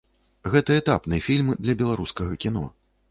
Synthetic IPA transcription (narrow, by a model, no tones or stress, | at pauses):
ɣɛt̪ɐɛt̪a̰pnɨjfʲilʲmd̪lʲɐbʲɛlˠaɾuskɐɣɐkʲinɔ̰